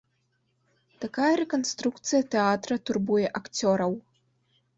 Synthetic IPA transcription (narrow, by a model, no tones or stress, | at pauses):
t̪akajɐɾɛkɐnst̪ɾukt̪sɨjɐt̪ɛat̪ɾɐt̪urbujɛʔakt͡sʲɔɾɐw